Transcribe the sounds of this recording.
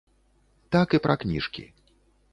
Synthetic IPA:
t̪akɨpɾʔɐknʲḭʂkʲḭ

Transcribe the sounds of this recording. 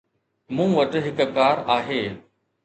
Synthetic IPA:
mũːʋɐʈɦɪkkaːɾaːɦeː

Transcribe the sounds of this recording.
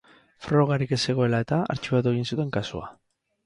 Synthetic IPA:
fɾo̞ɣ̞aɾike̞se̞ɣ̞o̞e̞lae̞t̪aa̰ɾt͡ʃiβat̪̬ue̞ɣ̞insut̪e̞ŋkasua̰

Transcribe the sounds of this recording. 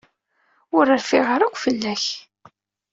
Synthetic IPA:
ʊɾəɾfɪʁəɾʊkʷːfəlːæç

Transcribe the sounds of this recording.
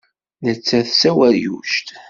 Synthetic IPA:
nət͡sːæθsæwæɾjṵʃt̪

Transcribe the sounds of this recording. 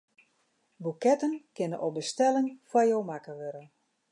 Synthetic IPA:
bukɛtənkɪnəʔɔbəstɛlɪŋfwajowmakəʋøɾən

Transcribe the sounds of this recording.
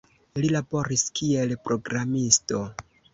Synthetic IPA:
lilabo̞ɾiskie̞lpɾo̞ɡɾamisto̞

